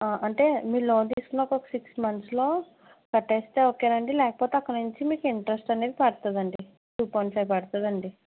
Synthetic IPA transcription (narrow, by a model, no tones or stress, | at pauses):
aːʔɐɳʈe̞ːmiːloːnd̪iːsu̥kunːɐkːɔkɐ̥siksmɐnt̪slo̞ː | kɐʈːeːst̪eːokːaːɾɐɳɖilɛːkɐpoːt̪eɐkːɐnuɲt͡ʃimiːkiɳʈɐɾɐsʈɐne̞ːd̪ipɐɽt̪ud̪ɐɳɖi | suːponʈsɐjpɐɽut̪ɐd̪ɐɳɖi